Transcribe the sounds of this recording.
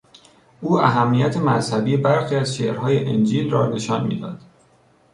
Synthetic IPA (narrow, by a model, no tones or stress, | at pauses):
ʔuːæɦæmːijæt̪ʰe̞mæzhæbiːbæɾxiːæzʃeːɾhɒːjeʔend͡ʒiːlrɒːne̞ʃɒnmḭːd̪ɒ̰ːd̪̥